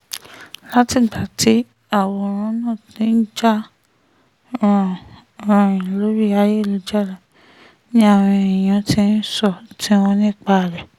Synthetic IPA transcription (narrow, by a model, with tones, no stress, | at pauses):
la˦ti˦˨tʰa˨ti˨˦ | a˦˨wɔ˧˦˨ɾ̃ɔ̃˨˧˦nãː˦˨tĩ˧˦n̩˦d͡ʒa˦˧˨ | ɾã˨˧ĩ˨lo˨˦ɾi˦a˨˦je˦˨lo˨˦d͡ʒa˦˨ɾa˨ | nĩ˦a˦˨w̃ɔ̃˧i˨j̃ã˨tĩ˦n̩˦sɔ˦˨tĩ˦wɔ̃˧nĩ˦˨k͡pa˧˨ɾɛ˨